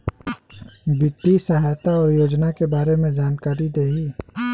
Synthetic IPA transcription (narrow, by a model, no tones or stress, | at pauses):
bɪt̪ːisəɦajt̪aɔːɾjoːd͡ʒnakebaːɾemẽd͡ʒaːnkaːɾid̪eːɦi